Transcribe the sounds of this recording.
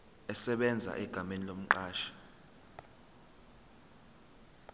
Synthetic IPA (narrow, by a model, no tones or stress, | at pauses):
ɛsɛɓɛnd͡zʱa̰ʔɛɡ̥ʱamenilom̩ǃaːʃḁ